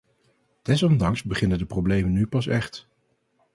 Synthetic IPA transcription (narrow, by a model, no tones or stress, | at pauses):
d̥ɛs̬ɔmdɑŋsbəχɪnəndəprowblejmənːypɑs̬ɛχt